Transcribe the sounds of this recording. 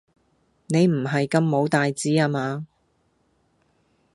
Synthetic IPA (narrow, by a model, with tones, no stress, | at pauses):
ne˨˧jm̩˨˩ɦɐ˨jkɐ˧mːo˨˧wt̪aː˨jt͡siː˨˥aː˧maː˨˧